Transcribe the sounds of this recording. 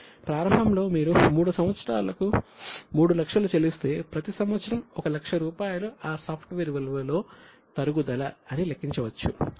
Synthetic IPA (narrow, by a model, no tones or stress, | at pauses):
pɾaːɾɐmbʱɐmlo̞ːmiːɾumuːɽusɐmʋɐt̪sɐɾa̰ːlɐkumuːɽulɐkʂɐlut͡ʃelist̪e̞ːpɾɐt̪isɐmʋɐt̪sɐɾɐmɔkɐlɐkʂɐɾuːpaːjɐluaːsɐːpʰʈʋeɾiʋɐlʋɐlo̞ː | t̪ɐɾuɡud̪ɐlɐɐnilɐkːiɲt͡ʃɐʋɐt͡ʃːṵ